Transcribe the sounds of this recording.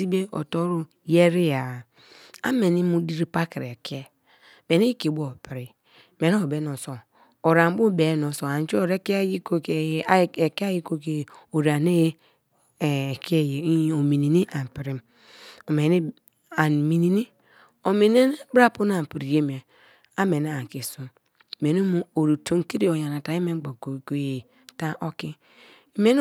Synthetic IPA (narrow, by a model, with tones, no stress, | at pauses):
i˦be˦o̰˨to˦ɾu˦ | je˦ɾi˦ja˨ | a̰˦me˨ni˦mu˦di˦ɾi˦pa˦ki˨ɾe˨kʰe˦ | me˨ni˦ke˨bo˦˨pi˨ɾi˨ | me˨n˦o˨be˨˦no˨so˨ | o˨ɾa˨m˦bu˦be˨˦no˨so˨a˨n˨˦t͡ʃi˦o˨ɾe˦kji˦ko˦kːke˦a˦ji˦ko˦ke˨o˨ɾa˨ne˦j | ke˦je˨˦˨o˨mi˨ni˨ni˦ʔa˨m˨pi˨ɾi˨m | o˨me˨ni˦ | a˨n˨mi˨ni˨ni˦ | o˨me˨ne˦n˦bɾa˦˨pu˦n˦a˨m˨pi˨ɾi˨je˦me˨ | a˦me˨na˦a˨ki˨su˨ | me˨no˦mu˦o˨ɾu˨to˦ŋ˦ki˦ɾi˦o˨ja˨na˨ta˨˦i˦me˦ɡ͡bo˨ko˨ko˨je˨ | ta˦ʔo˦ki˦˨˦ | me˦n˦